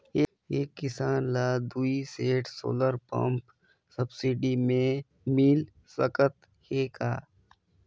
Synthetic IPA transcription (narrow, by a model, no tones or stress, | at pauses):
eːkːɪsaːnlaːd̪uːiseːʈʰso̰ːləɾpə̰̃mp | səbsɪɖimẽ | mil | səkət̪ | heːkaː